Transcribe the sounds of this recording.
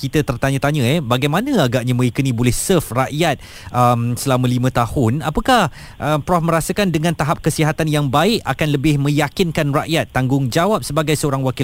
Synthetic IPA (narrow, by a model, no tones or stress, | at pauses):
kit̪ət̪ərt̪aɲə̃t̪aɲə̃ɛbaɡajmãnə̃aɡaʔɲamə̃ikunĩbolɛhsəfraʔjat̪̚ | ʔəmsəlamə̃limãt̪ahʊnapəkah | ʔəmpɾɔfmə̃ɾasəkandəŋãnt̪aɦap̚kəsiɦat̪anjaŋbaɪkakanləbɪhmə̃jakɪnkanraʔjat̪ːaŋɡʊŋd͡ʒawap̚səbaɡajsəoɾaŋwaki